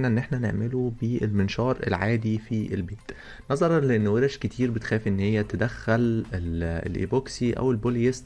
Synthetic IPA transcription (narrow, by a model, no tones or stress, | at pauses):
næʔenːʔeħnænḛʕmelubeelmenʃɑːɾˤḛlʕaːd̪ifiʔelbeːt̪ | nɑzˤɑɾˤɑleʔenːweɾæʃket̪ʰiːɾbet̪xæːfiʔenːhejːæt̪æd̪æxːælelḛlʔḭboksiʔæ̰welboljes